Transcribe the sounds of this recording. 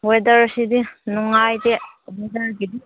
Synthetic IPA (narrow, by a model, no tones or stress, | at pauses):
wedɐɾsidinuŋajde | wedɐɾɡidi